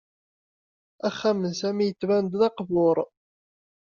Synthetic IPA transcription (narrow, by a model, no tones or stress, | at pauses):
æχːæmənsæmijət͡sːvænd̪nɑqvʊɾˤ